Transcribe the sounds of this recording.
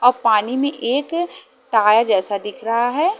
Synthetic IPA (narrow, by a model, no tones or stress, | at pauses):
ɔːɾpaːnimẽʔeːk | ʈaːjad͡ʒɛːsad̪ɪkʰɾɐɦaɦɛː